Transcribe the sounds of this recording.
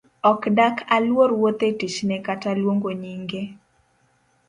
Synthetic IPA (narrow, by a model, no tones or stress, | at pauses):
ɔkdakʰalwoɾwot̪etit͡ʃnɛkatalwoŋɡoɲiŋɡe